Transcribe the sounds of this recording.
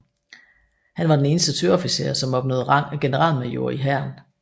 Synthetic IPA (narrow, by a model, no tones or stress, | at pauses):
hænʋɑ̈d̥ene̝ːnəsd̥ət͡sʰøɐɒ̽fise̝ːɐsɒ̽mɒ̽b̥̚nɔ̰ːð̩ˠʁɑ̈ŋ̰æɡ̥e̝nəʁɑ̰̈ːlmæjo̝ɐ̰iɦæɐn